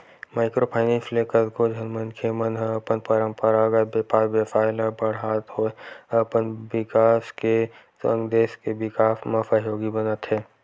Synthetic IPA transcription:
maːɪkɾopʰaːɪnifleːkət̪kod͡ʒʱənmənkʰemənɦəəpənpəɾə̃mpəɾaːɡət̪bepaːɾbjepaːɪlɦə̃bəɽ̤ɦaːt̪ɦoəpənbɪkaːsket̪ə̃ŋɡd̪eːskebɪkaːfmə̃fəɦjoːɡibənət̪ɦɛː

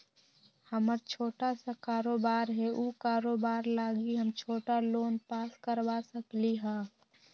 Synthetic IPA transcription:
həməɾt͡ʃʰoːʈasakaːɾoːbaːɾɦɛʔuːkaːɾoːbaːɾlaːɡiɦəmt͡ʃʰoːʈaloːnpaːskəɾʋasəkliɦɛ̃ː

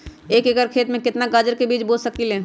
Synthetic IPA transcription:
eːkekəɾkʰeːt̪mẽkɪt̪naɡaːd͡ʒəɾkebiːt͡ʃboːlsək̚t̪ilẽː

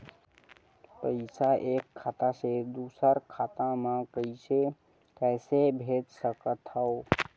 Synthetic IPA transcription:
pəjsaʔekʰːat̪ased̪usəɾkʰat̪ãmãkəiʃe | kɛsebʱet̪səkət̪ʰːao

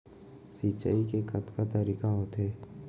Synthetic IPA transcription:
sit͡ʃaikekɐt̪kat̪əɾiːkaɦot̪eː

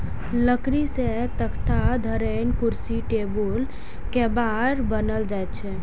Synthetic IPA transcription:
ləkɾiset̪əkʰt̪ʰad̪ʱəɾenkuɾsiʈebul | kebad̪bənəld͡ʒaet̪̚t͡ʃʰɛ

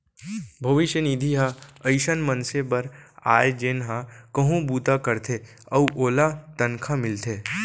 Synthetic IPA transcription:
bʱɐʋɪʃjənid̪ʱiɦaɐɪʃənmənsebɐɾa̰ːjd͡ʒeːnɦakɐɦũbuːt̪akəɾt̪ʰe | ɐuʔoːlat̪ənkʰamɪlt̪ʰeː

